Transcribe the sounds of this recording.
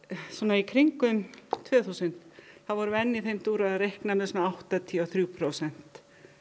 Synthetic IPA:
sɔnaikʰɾiŋkʏmt̪ʰvɛːθuːsʏn̥t̪θaðvɔɾʏɛnːɪθejmt̪uːɾaðrejhknamɛsɔnaawht̪at̪ʰiɔθɾjupʰɾowsɛn̥t̪

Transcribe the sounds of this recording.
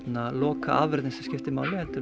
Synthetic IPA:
nalɔːkʰaʔaːʋvœɾd̪nɪsɛscɪft̪ɪmaːwlɪheːt̪ʏ

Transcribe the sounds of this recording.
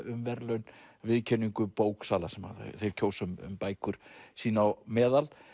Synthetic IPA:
ʏmvɛɾlœɥnvɪðcʰɛniŋkʏpoːwksaːlasɛmha̰ða̰θejɾ̥cʰoːwsʏmʏ̰mpaːjkʰʏɾ̥siːnawmɛːðal

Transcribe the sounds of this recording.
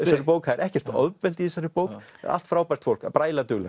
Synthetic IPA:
saɾɪpoːwkhaðɪɾʔɛhcɛr̥t̪ɔ̰ðpvɛlt̪iɛsaɾɪpoːwka̰ɾa̰l̥t̪fɾaːwpaj̥r̥t̪fowl̥kapɾaːjlat̪ʏɣlɛ

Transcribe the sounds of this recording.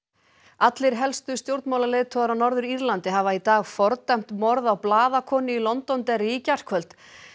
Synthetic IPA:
at̪lɪɾ̥ɦɛlst̪ʏst̪jowɾt̪nmawlalejðt̪ʰɔðɾanɔɾðʏɾiɾlant̪ɪɦavait̪aːɣfɔɾt̪am̥t̪mɔɾðawplaːðakʰɔːnɪilɔnt̪ɔnt̪ɛrɪiːcar̥kʰvœlt̪

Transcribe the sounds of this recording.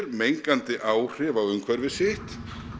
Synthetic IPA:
ɾmejŋkant̪ɪʔaːwr̥ɪːvaðʏmkʰvɛɾvɪsɪht̪

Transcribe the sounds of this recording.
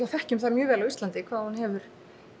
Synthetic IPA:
awfɛhcʏmθaðmjœːvɛːlavist̪lant̪ɪkʰv̥aːðhunhɛvʏɾ̥

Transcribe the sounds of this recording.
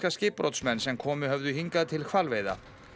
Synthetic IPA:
kascɪːpɾo̰wt̪smɛnːsɛmkʰɔːmʏɦœvðʏhiŋkaðt̪ʰɪlkʰvalvejða̰

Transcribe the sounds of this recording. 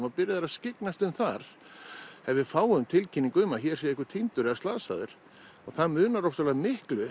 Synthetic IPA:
mapɪɾɪðɛɾascɪknast̪ʏmθaɾ̥ | hɛvɪfaːwʏmt̪ʰɪlcʰiniŋkʏʏmaçɛɾ̥sɛɪhkʏ̥t̪ʰint̪ʏɾɛðast̪aːsa̰ðɪɾ̥ | ɔ̰ɣθaðmʏːnaɾɔfsalaːðmɪhklʏ

